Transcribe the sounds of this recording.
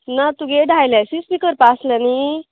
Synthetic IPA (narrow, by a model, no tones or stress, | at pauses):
nat̪uɡeʈajlɛsispikəɾpaslɛni